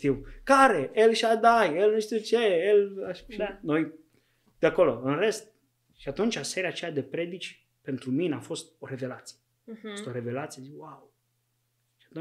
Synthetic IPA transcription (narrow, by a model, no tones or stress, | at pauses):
t̪iwkaɾe̞elʃad̪ajelnuʃt̪iwt͡ʃeelaʃʃano̞j | d̪̥eako̞lo̞ɨnre̞st̪̚ | ʃiat̪unt͡ʃase̞ɾeat͡ʃejad̪e̞pɾe̞d̪it͡ʃʲ | pe̞nt̪ɾumineafo̞st̪̚o̞ɾe̞ve̞lat̪sije | fost̪oɾe̞ve̞lat̪sijeziwaw | ʃiat̪u